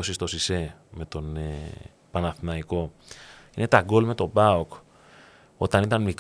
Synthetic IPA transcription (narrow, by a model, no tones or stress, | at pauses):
osist̪o̞sise̞me̞t̪o̞ne | pɐnɐθnɐiko̞ | ine̞t̪ɐɡo̞lme̞t̪o̞bɐok | o̞t̪ɐnit̪ɐnmik